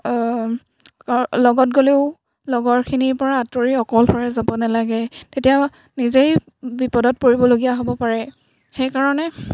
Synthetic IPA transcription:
klɔɡɔt̚ɡoleʊ | lɔɡɔɹkʰiniɹpɔɹaːtoɹiɔkɔlbɔɹɛzabɔnalaɡɛtetija | nizej | bipɔdɔt̚poɹibɔloɡijaɦobɔpaɹɛ | xejkaɹɔnɛ

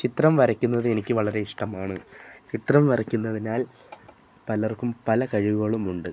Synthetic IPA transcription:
t͡ɕit̪rɐmʋɐɾɐkʲːunːɐðɨe̞nikʲːɨʋɐɭɐɾe̞iʂʈɐmaːɳɨt͡ɕit̪rɐmʋɐrɐkʲːunːɐðinaːl | pɐlɐrkumpɐlɐkɐɻiʋuɣɐɭumuɳɖɨ

